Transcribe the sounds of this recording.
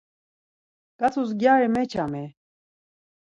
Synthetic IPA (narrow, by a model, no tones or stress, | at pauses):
kat͡sʰus̬ɡʲjaːɾɛmɛt͡ʃʰamɛ